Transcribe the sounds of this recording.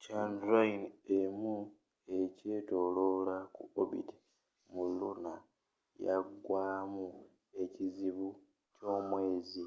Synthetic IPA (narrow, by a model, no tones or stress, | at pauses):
caːndɾainemu | e̞ce̞ːto̞loːlakṵobḭte̥ | mulːuna | jaɡːwaːmu | e̞ciziβu | co̞ːmwe̞ːzi